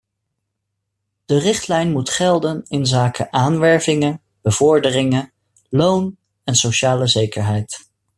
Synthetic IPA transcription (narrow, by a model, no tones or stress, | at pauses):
d̥ərɪχtlɛjnmutχɛlˠdənɪnzaːkəʔaːnʋɛɹvɪŋə | b̥əvʊɹdərɪŋə | lown | ɛnsowʃaːləzejkəɹɦɛjt